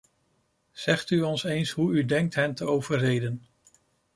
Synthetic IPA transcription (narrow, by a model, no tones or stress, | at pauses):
z̥ɛχtyɔnsejnsɦuydɛŋk̚tɦɛntəowvəɹɦejdən